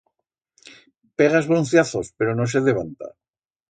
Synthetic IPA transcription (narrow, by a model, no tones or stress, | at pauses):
peɣ̞azβɾon̟θjaθo̞spe̞ɾo̞no̞s̬eðeβ̞ant̪a̰